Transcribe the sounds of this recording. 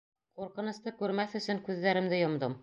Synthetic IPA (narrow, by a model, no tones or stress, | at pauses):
quɾqɤ̆nɤ̆st̪ɤkʉɾmæθɵ̆sɵŋkʉðːæɾɘ̆md̪ɘjŏmd̪ɤm